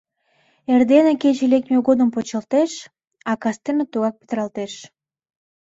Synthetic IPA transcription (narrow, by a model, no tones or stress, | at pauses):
erd̪enakʲet͡ʃelʲekmʲeɡod̪əmpot͡ɕɑlˠt̪eʃ | ɑkɑst̪ɨmət̪uɣɑk̚pi̥t̪ɾɑlˠt̪eʃ